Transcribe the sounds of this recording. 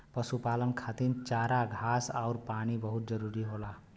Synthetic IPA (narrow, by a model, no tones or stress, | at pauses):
pʌsupalʌnkʰat̪int͡ʃaɾaɡʱasawɾpañibʌɦut̪̚d͡zʌɾuɾiɦola